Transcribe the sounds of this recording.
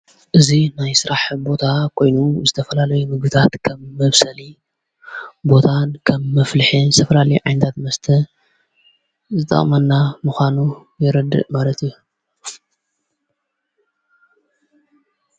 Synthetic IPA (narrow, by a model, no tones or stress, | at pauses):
ʔɨzinajsɨɾaħbo̞t̪ʰakʰo̞jnuzɨt̪ʰɐfɐlalɐjumɨɡbɨt̪ʰat̪kʰɐmːɐβsɐli | bo̞t̪ʰankʰɐbːɐflɨħinzɨt̪ʰɐfɐlalɐjuʕajnɐt̪ʰat̪mɐst̪ʰɐ | zɨt̪ʼɐ̰χʼmɐnːamɨxʷanu | jɪɾɐd̪ːɨ̰ʔmalɐt̪iju